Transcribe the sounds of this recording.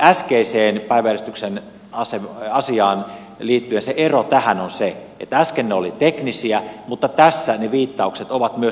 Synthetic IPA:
æskeiseːnpæiʋæærist̪yksen | ɑseɑsiɑːn | liːt̪ːyenseʔerot̪æhænonseʔḛt̪ːææskenːeolit̪eknisiæmut̪ːɑt̪æsːæneʋiːt̪ːɑukset̪oʋɑt̪myø

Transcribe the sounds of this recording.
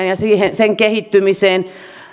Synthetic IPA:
njɑsiːhenseŋkehit̪ːymiseːn

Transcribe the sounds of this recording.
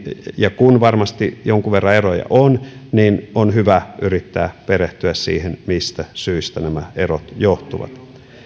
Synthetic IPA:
jɑkunʋɑrmɑst̪ijoŋkuʋerːɑerojɑ̰ʔonninonɦyʋæʔyrit̪ːæːpeɾeht̪yæssḭːhenmist̪æsyist̪ænæmæerot̪joht̪uʋɑ̰t̪

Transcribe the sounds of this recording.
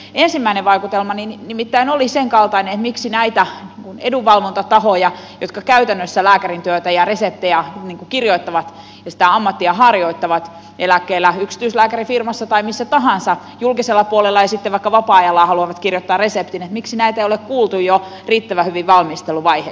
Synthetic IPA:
ensimːæineʋʋɑikut̪elmɑninnimit̪ːæinoliseŋkɑlt̪ɑinenet̪miksinæit̪æniːŋkuneduʋːɑlʋont̪ɑt̪ɑhojɑ | jot̪kɑkæyt̪ænːøsːælæːkærint̪yøt̪æjɑresep̚t̪ejɑniːŋkukirjoit̪ːɑʋɑt̪ | jɑsi̥t̪æɑmːɑt̪ːiɑhɑrjoit̪ːɑʋɑt̪ | elækːeːlːæyksi̥t̪yislæːkærifirmɑsːɑt̪ɑimisːæt̪ɑɦɑnsɑ | julkiselːɑpuolelːɑjɑsit̪ːeʋʋɑikːɑʋɑpɑɑjɑlːɑːhɑluɑʋɑt̪kirjot̪ːɑːrresept̪inet̪miksinæit̪æeijolekkuːlt̪ujjo | riːt̪ːæʋæhyʋiʋʋɑlmist̪elːuʋɑihe

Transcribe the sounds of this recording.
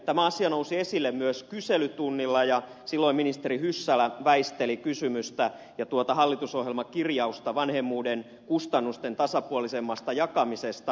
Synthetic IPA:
t̪æmæɑsiɑnousiesilːemmyøskyselyt̪unːilːɑjɑ | silːoiminist̪eɾihysːælæʋæist̪elikysymyst̪æ | jɑt̪uot̪ɑhɑlːit̪usoɦjelmɑkirjɑust̪ɑʋɑnhemːuːden | kust̪ɑnːust̪ent̪ɑsɑpuolisemːɑst̪ɑjɑkɑmisest̪ɑ

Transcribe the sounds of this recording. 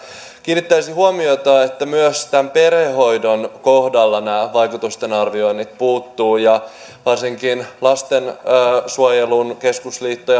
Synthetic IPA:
kiːnːit̪ːæisihuomiot̪ɑːet̪ːæmyøst̪æmpe̞rheɦo̞jdonko̞hdɑlːɑnæːʋɑjkut̪ust̪e̞nɑrʋio̞jnːit̪puːt̪ːuːjɑ | ʋɑrsiŋkinlɑst̪enːsuojelunke̞skusliːt̪ːoj

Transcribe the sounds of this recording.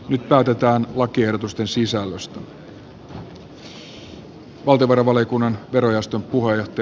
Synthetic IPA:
nyt̪pæːt̪e̞t̪æːnlɑkie̞hdot̪ust̪e̞nsisælːøst̪æ | ʋɑlt̪eoʋɑɾɑʋɑlikunːɑnʋe̞ɾo̞jæst̪ø̞mpuɦejoht̪e

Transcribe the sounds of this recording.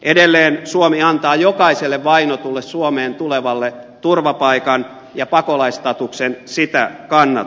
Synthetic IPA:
ʔedelːeːnsuomiɑnt̪ɑːjokɑiselːeʋʋɑinot̪ulːessuomeːnt̪uleʋɑlːe | t̪urʋɑpɑikɑn | jɑpɑkolɑist̪ɑt̪uksensit̪æ̰kɑnːɑ̰

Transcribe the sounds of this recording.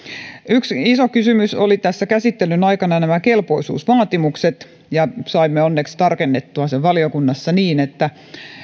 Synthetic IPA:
yksisokysymysolit̪æsːækæsit̪ːelynɑikɑnɑnæmækelpo̞isṵːsʋɑːt̪imukset̪ | jɑsɑimːeonːekst̪ɑrkenːet̪ːuɑseʋʋɑliokunːɑsːɑniːnet̪ːæ

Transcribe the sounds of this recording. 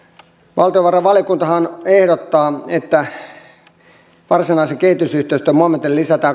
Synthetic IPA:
ʋɑlt̪ioʋɑrɑʋʋɑljokunt̪ɑhɑnehɾot̪ːɑːet̪ːæ | ʋɑrsinɑisekehit̪ysyht̪eist̪ømuɑmːet̪ellisæt̪æ

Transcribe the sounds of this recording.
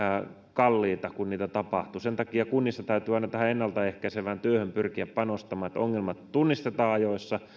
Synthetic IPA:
kɑlːiːt̪ɑkunniːt̪æt̪ɑpɑ̰ht̪usent̪ɑkiɑkunːisːɑt̪æyt̪yːɑinɑt̪æhæenːɑlt̪ɑehkæiseʋænt̪yøhømpyrkiæppɑnost̪ɑmɑːet̪o̰ŋːelmɑt̪t̪unːist̪et̪ɑːɑjoisːɑ

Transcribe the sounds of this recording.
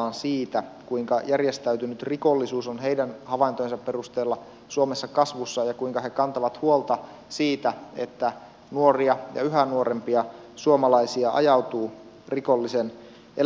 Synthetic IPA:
nsiːt̪ækuiŋkɑjærjest̪æyt̪ynyt̪riko̞lːisuːsonɦeidænhɑʋɑint̪ojnsɑpperust̪eːlːɑ | suomesːɑkɑsʋusːɑjɑkuiŋkɑɦe̞kɑnt̪ɑʋɑt̪huolt̪ɑ | siːt̪æḛt̪ːæ | nuoriɑjɑ̰yɦænuoɾempiɑ | suomɑlɑisiɑʔɑ̰jɑut̪uː | rikolːisen | ʔe

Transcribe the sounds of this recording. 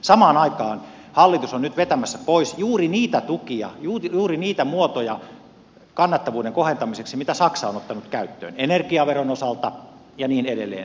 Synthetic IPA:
sɑmɑːnɑikɑːn | hɑlːit̪usonnyt̪ʋet̪æmæsːæpoisjuːriniːt̪æt̪ukiɑ̰juːjuːriniːt̪æmuot̪ojɑ | kɑnːɑt̪ːɑʋuːdeŋkohent̪ɑmiseksimit̪æsɑksɑonot̪ːɑnut̪kæyt̪ːø̰ːnenerkiɑʋeronosɑlt̪ɑ | jɑniːneɾḛlːḛːn

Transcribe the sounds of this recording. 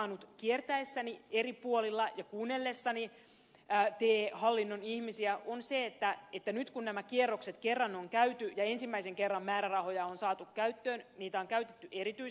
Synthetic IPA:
ɑːnut̪kiert̪æesːænieripuolilːɑjɑkuːnːelːesːɑniː | t̪eːhɑlːinːonihmisiæʔonseet̪ːæet̪ːænyt̪kunnæmækierːokset̪kerːɑnoŋkæyt̪yjɑensimːæiseŋkerːɑmmæːɾærɑho̞jɑonsɑːt̪ukkæyt̪ːøːnniːt̪æoŋkæyt̪et̪ːyʔeɾit̪yi

